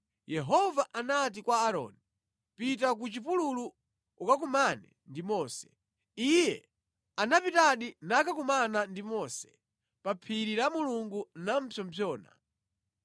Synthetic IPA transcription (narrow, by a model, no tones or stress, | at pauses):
jɛɦɔvaʔanatikwaːɾɔ̰ːni | pitak̬ut͡ʃipululu | ukak̬umanɛ̰ | ndimɔːsɛ̥ | ijɛ | anapitaɗinakakumanandimɔːsɛ̥ | papʰiɾiɾamuluŋɡunam̩pʰɔmpʰjɔːna̰